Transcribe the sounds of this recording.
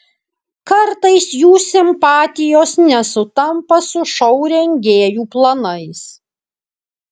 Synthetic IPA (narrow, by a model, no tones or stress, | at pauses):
kɐɾt̪ɐɪsjuːsʲɪmpɑːt̪ʲɪjoːsnʲɛsʊt̪ɐmpɐsʊʃɔʊɾʲɛŋʲɡʲeːjuːplˠɐnɐɪs